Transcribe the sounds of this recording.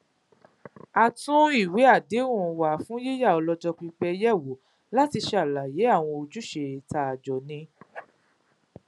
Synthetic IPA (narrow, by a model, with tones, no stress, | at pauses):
a˧tũ˦i˦˨we˨˦a˦˨de˨˦ũ˦˨˧wa˨˦fũ˨˦je˦ja˦˨ɔ˧lɔ˧d͡ʒɔ˧k͡pi˧k͡pɛ˧jɛ˦˨wo˨˦ | la˦ti˧ʃe˧a˨la˨je˨˦a˦˨w̃ɔ̃˧o˧d͡ʒu˨˦ʃe˧˨ta˧a˨d͡ʒɔ˨nĩ˧